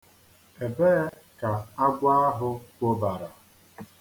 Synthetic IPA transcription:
e˨be˦ | ka˨a˦ɡʷa˦a˦ɦʊ˦kʷo˦ba˨ɾa˨

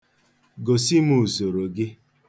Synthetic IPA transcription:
ɡo˨si˦mu˨zo˨ɾo˨ɡɪ˦

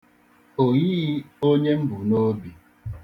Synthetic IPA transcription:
o˨ɣi˦o˦ɲe˦m̩˦bu˨no˦bi˨

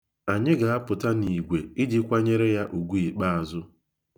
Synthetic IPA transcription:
a˨ɲɪ˦ɡa˨a˦pʊ˨ta˦ni˨ɡʷe˨i˦d͡ʒi˦kʷa˦ɲe˦ɾe˦ja˦ʔu˨ɡʷu˦i˨k͡pa˦a˨zʊ˦

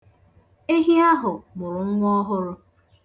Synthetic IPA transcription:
e˦ɦi˦a˦ɦʊ˨mʊ˨ɾʊ˨ŋ̩˦ŋʷ˦ɔ˦ɦʊ˦ɾʊ˦

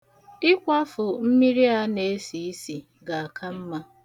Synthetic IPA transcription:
ɪ˦kʷa˦fʊ˨m̩˦mi˦ɾi˦a˦ne˨˦si˨i˦si˨ | ɡa˨a˨kʰa˦m̩˦ma˦

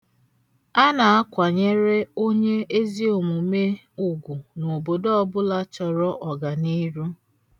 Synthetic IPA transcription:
a˦na˨a˦kʷa˨ɲe˦ɾe˦o˦ɲe˦e˦zi˦o˨mu˨me˦ | u˨ɡʷu˨no˨bo˨do˦ɔ˦bʊ˦la˦t͡ʃɔ˨ɾɔ˦ʔɔ˨ɡa˨ni˦ɾu˦

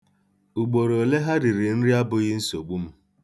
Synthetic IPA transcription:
u˨ɡ͡bo˨ɾo˨le˦ɦa˦ɾi˨ɾɪ˨n̩˦ɾɪ˦a˦bʊ˨ɣɪ˦n̩˦so˨ɡ͡bu˦m̩˦

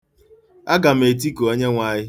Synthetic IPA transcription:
a˦ɡa˨m̩˦˨e˨t̬i˦ko˨o˦ɲe˦ŋʷa˦ɲɪ˦

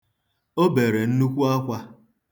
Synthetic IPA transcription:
o˦be˨ɾe˨n̩˦nu˦kʷu˦a˦kʷa˦

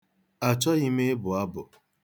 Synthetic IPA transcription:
a˨t͡ʃɔ˦ɣi˦me˦bʊ˨a˦bʊ˨

